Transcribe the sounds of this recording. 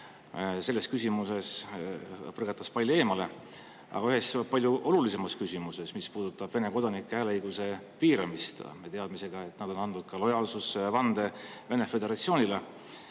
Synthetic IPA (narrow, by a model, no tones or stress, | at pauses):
se̞lːe̞skysimuse̞s | pɤrɡɑt̪ːˑɑspɑlʲjue̞ːmɑle̞ | ɑ̰ɡɑyɦe̞spɑlʲjuʔo̞lulise̞mɑskysʲimuse̞smispuːd̪̥ut̪ːˑɑb̥ve̞ne̞ko̞d̪̥ɑnikːˑeæːleɤjɡ̥use̞piːɾɑmist̪met̪eɑd̪mise̞ɡ̥ɑe̞t̪ːˑnɑd̪̥o̞nɑnd̪ud̪̥̚kɑlo̞jɑːlsusvɑnd̪̥e̞ve̞ne̞fe̞d̪e̞ɾɑt̪sio̞ːnʲile